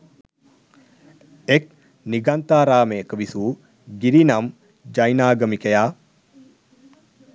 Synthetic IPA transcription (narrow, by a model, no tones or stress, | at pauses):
ek̚ | niɡant̪aːɾaːmejəkəʋisuː | ɡiɾinɐm | d͡ʒɐjnaːɡəmikejaː